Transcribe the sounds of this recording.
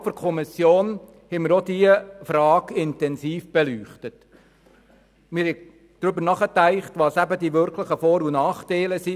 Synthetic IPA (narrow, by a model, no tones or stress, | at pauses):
fəɾkʰɔmɪsjoːn | hɛmɪɾɔdiəfɾɑːɡɪntɛnsiːfb̥ɛlyːχtət | mɪɾhɛ | d̪̥ɾʏbəɾnɑχətæɪχtʋɑːsæbədiʋʏɾkʰləχəfɔːɾunɑːχtæɪləsi